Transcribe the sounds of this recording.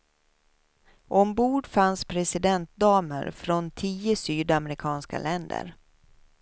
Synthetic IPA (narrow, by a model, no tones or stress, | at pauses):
ʔɔmbuːɖfanspʰɾɛsɪd̪ɛnt̪̚d̪ɑːmə̰ɾfɾɔnt̪ʰiːəsyːd̪amɾɪkʰɑːnska̰lɛnd̪ə̰ɾ